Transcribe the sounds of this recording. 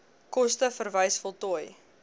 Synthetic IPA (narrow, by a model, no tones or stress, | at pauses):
kɔstəfərvəjsfɔlˠtɔj